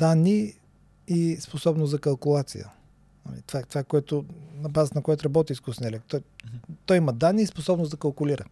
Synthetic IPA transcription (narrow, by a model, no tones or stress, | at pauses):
d̪anːi | isposɔbnʊsɐkɐlˠkʊlˠat̪sḭjə̰ | nɐ̰mḭt̪o̥vat̪ovakoɛt̪ʊnɐbazət̪ənɐkojɛt̪ʊɾɐbɔt̪̬ʲiiskusɛnɛlɛkt̪t̪ɔjt̪ɔjimɐd̪anːiːsposɔbnʊsd̪ɐkɐlˠkʊliɾə